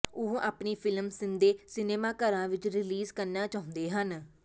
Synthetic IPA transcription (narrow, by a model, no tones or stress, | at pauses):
ʊɦʔaːpniːpʰɪlmsɪnd̪eːsɪneːmaːkəɾãːʋɪt͡ʃɾɪliːzkəɾnaːt͡ʃaːʊ̃nd̪eːɦən